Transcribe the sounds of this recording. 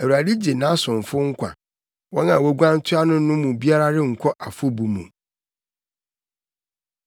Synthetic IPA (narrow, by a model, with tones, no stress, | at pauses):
æ˨wu˨a˨di˦d͡ʑe˨nã˨˦sʊ̃˨ɱ˨fʊ˦ŋ̩˦kʷʰa̰˨ | wɔ̃˦nã˨wɛ˦ɡʷã˦n̩˦tʰʊ˦a˦nʊ̃˦ʊ̃˦mũ˨bi˦a˦ɾa˦ɾɪ˦ŋ̩˨kʷʰɔ˦ʔa˨fʊ˦bu˨mṵ̃˨